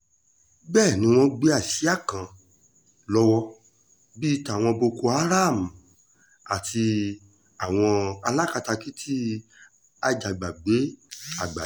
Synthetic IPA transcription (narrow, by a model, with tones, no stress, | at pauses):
bɛː˦˨nĩ˨˦w̃ɔ̃˧ɡ͡be˦a˦˨si˨˦a˦˨kã˨ | lɔ˧wɔ˧ | bi˦ta˨w̃ɔ̃˧bo˧ko˧a˦ɾa˦˨m̩̃˨ | a˨ti˧ | a˨w̃ɔ̃˧a˧la˦ka˧ta˧ki˦tʰi˦ | a˧d͡ʒa˨ɡ͡ba˨ɡ͡be˨˦a˨ɡ͡ba˨